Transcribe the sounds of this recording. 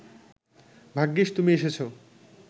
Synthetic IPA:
bʱaɡːiʃt̪umieʃet͡ɕʰo

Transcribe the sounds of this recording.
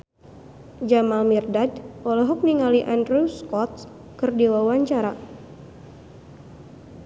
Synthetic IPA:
d͡ʒamalmirdadɔlɔɦɔk̚niŋaliʔandɾuskɔt̪̚ | kɨrdiwawaɲt͡ʃaɾa

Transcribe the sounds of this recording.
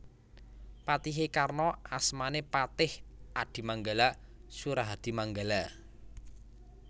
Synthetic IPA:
pat̪iɦekarnɔʔasmanepat̪ɪhad̪̥i̤maŋɡalasuɾaɦad̪̥i̤maŋɡala

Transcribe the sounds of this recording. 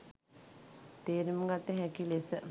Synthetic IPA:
t̪eːɾiməɡat̪ːeɦækilesə

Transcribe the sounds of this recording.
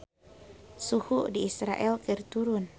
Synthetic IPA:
suhuʔdiːsɾaʔɛlkirt̪uɾʊn

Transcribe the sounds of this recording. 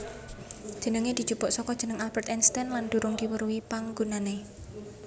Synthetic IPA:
dʒ̥ə̤nəŋed̪̥id̥d͡ʒ̥ṳb̥ɔʔsɔkɔd̥ʒ̥ə̤nəŋalb̥ɛrt̪ɛnst̪ɛnland̪̥ṳɾʊŋd̪iwəɾuwipaŋɡunane

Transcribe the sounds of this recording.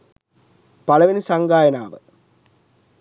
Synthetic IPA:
pɐlɐʋinɨsɐŋɡaːjɐnaːʋɨ

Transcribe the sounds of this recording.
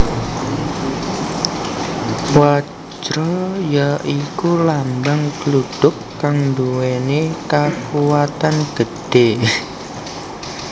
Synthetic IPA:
wa | d͡ʒɾɔjaʔikulambaŋkluɖ̥ʊkːaŋnd̪uwenekakuwat̪anɡ̥əɖ̥e

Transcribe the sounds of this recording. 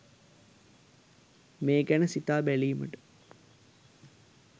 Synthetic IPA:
meːkænəsit̪aːbæliːmə̰ʈə̥

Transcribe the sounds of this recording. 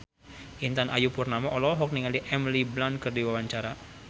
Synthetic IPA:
ʔint̪anʔajupurnamaʔɔlɔɦɔk̚niŋaliʔɛmliblankərdiwawaɲt͡ʃaɾa

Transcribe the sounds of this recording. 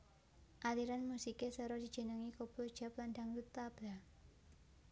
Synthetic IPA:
ʔaliɾanmusikesəɾɔd̥i̤d̥d͡ʒ̥ə̤nəŋikob̥ud̥ʒ̥a̤plandaŋlut̪ab̥la

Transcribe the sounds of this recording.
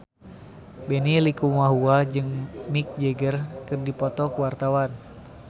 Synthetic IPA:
bɛnilikumwaɦuad͡ʒɨŋmik̚d͡ʒɛɡərkɨrdipɔt̪ɔkuwart̪awan

